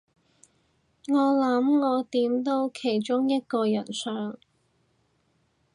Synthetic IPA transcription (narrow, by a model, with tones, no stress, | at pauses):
ŋɔː˨˧lɐ˨˥mŋɔː˨˧t̪iː˨˥mt̪o˥wkʰe˨˩jt͡ʃʊ˥ŋjɐ˥t̚kɔː˧jɐ˨˩nsœː˨˥ŋ